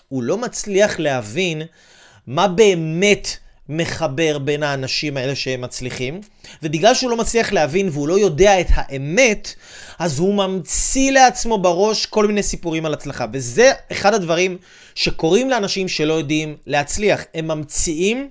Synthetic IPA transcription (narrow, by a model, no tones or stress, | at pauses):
hulo̞mat͡sliaχle̞ɦavin | mabe̞ːme̞t | me̞χabe̞ʁbe̞naːnaʃimae̞le̞ʃeemːat͡sliχim | ve̞biɡlalʃeulo̞mat͡sliaχleɦavinveulo̞jo̞de̞ae̞thaʔe̞me̞t | ʔazhumamt͡sile̞at͡smo̞baʁo̞ʃko̞lminejsipuʁimalat͡slaχaveze̞eχadhadvaʁim | ʃe̞ko̞ʁimleanaʃimʃe̞lo̞jo̞dimle̞ɦat͡sliaχhe̞mːamt͡siim